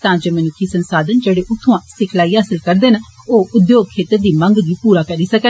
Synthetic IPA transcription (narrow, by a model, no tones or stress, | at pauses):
t̪ãːd͡ʒeːmənʊkʰiːsənsaːd̪ənd͡ʒeːɽeːʔʊt̪ʰːõãːsɪkʰlaːiːɦaːsɪlkəɾd̪eːnoːʔʊd̪joːɡ̚kʰeːt̪əɾd̪iːməŋɡɡiːpuːɾaːkəɾiːsəkən